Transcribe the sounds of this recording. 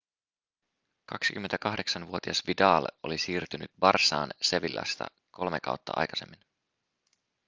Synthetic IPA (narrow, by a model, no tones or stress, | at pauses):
kɑksi̥kymːent̪ækɑhde̞ksɑnʋuot̪iɑsʋidɑːlo̞̰lisiːrt̪ynyt̪ʋɑrsɑːnse̞ʋilːʔɑ̰st̪ɑ̰ | ko̞lme̞kɑ̰wt̪ːɑʔɑ̰jkɑ̥se̞mːin